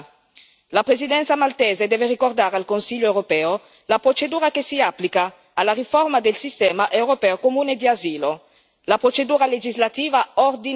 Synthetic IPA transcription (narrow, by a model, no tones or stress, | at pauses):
lapɾezid̪ɛnsamalt̪ɛzed̪ɛveɾikoɾd̪aɾalkonsiʎoewɾopɛo | lapɾot͡ʃed̪uːɾakesiaplikaː | laɾifɔɾmad̪elsist̪ɛmaʔewɾopɛokomuned̪iazilo | lapɾot͡ʃed̪uːɾaled͡ʒizlat̪iːvaoɾd̪i